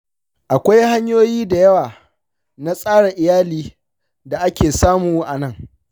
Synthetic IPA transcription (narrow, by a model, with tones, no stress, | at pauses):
ʔa˨kʷa˦jɦa˦ɲjoː˦jiː˦da˨jɐ˦waː˨ | na˦sʼaː˦ɽa˨ʔɪ˨jaː˦liː˦ | da˨ʔa˦kʲeː˨saː˦muː˨ʔa˨nɐ˦˨ŋ